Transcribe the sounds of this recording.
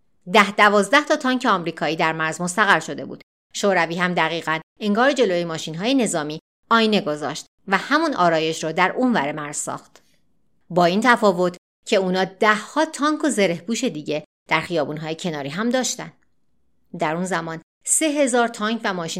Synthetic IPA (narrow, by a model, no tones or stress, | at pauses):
d̪æhd̪ævɒːzd̪æht̪ʰɒːt̪ʰɒːŋcʰeɒːmɾiːkʰɒːiːd̪æɾmæɾzmo̞st̪æɣæɾʃo̞d̪e̞bṵːd̪ | ʃoːɾæviːɦæmd̪æɣiːɣæne̞ŋɡɒːɾed͡ʒe̞lojemɒːʃinɦɒːjene̞zɒːmiː | ɒːjne̞ɡozɒ̰ːʃt̪ | væhæmunɒːɾɒːje̞ʃɾɔːd̪æɾʔuːnvæɾemæɾz̥sɒ̰ːxt̪ | bɒːiːnt̪ʰæfɒːvo̞t̪ʰ | cʰe̞uːnɒːd̪̥æhːɒːt̪ʰɒːŋkʰozeɾe̞hbuːʃe̞d̪iːɟe̞ | d̪̥æɾxijɒːbuːnɦɒːjecʰe̞nɒːɾiːɦæmd̪ɒːʃt̪ænd̪ | d̪æɾunzæmɒːn | se̞ɦe̞zɒːɾt̪ʰɒːŋkʰvæmɒːʃiː